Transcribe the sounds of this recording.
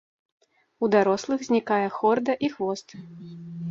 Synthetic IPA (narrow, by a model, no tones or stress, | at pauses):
ud̪aɾɔslˠɨɣzʲnʲikajɛxɔrd̪ɐʔixvɔst̪ɨ